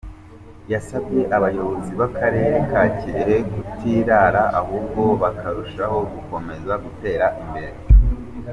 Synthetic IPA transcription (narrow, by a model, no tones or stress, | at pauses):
jasabɟe̞ʔaβajo̞βo̞ziβakaɾe̞ːɾekaːceɾeɡutʰiːɾaːɾaʔahuːbɡo̞βakʰaɾuʃaho̞ɡuko̞me̞zaɡute̞ːɾaʔimbe̞ɾe